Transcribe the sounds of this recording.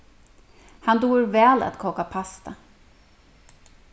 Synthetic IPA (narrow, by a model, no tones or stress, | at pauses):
hand̪uːɾvɛːla̰t̪kʰɔːkapʰast̪a